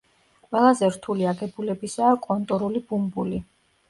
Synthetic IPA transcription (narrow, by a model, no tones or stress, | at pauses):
qʼwɛlˠazɛɾt̪ʰuliaɡɛbulɛbisaːkʼɔnt̪ʼɔɾulibumbuli